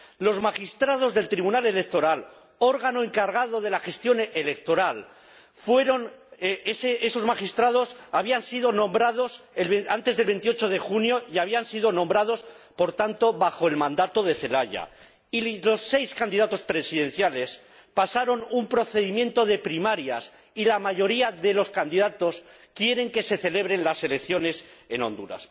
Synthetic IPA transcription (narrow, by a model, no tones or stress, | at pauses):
lo̞zmaxist̪ɾað̞o̞zðe̞lt̪ɾiβunale̞le̞k̚t̪o̞ɾal | o̞ɾɣanoeŋkaɾɣ̞aðo̞ðe̞laxe̞st̪jo̞nelek̚t̪o̞ɾal | fwe̞ɾo̞neseeso̞zmaχist̪ɾað̞o̞saβiansiðo̞nõ̞mbɾaðo̞selβeant̪e̞zðe̞lβe̞nt̪iot͡ʃo̞ð̞e̞xunjo̞iaβ̞iansiðo̞nõ̞mbɾað̞o̞s | po̞ɾt̪ant̪oβaxo̞e̞lmãnd̪at̪o̞ð̞e̞θe̞laʝa̰ | ilo̞sːe̞jskand̪iðat̪o̞spɾe̞siðe̞n̟θjale̞s | pasaɾo̞numpɾo̞θe̞ðimjẽ̞nt̪o̞ð̞e̞pɾimaɾja̰s | ilamaʝo̞ɾiaðe̞lo̞skand̪iðat̪o̞s | kje̞ɾe̞ŋke̞se̞θe̞le̞β̞ɾe̞nlase̞le̞kθjo̞ne̞se̞nõ̞nd̪uɾa̰s